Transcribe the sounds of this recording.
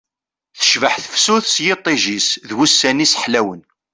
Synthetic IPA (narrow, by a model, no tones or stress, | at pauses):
θə̥ʃvəħθəfsuθsjɪt̪ˤːiʒisðwusːænisħlæwən